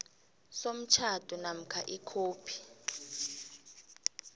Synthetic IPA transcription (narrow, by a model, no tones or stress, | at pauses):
som̩t͡ʃʰatʼunam̩kʰa̰ʔikʰoːpʰi̥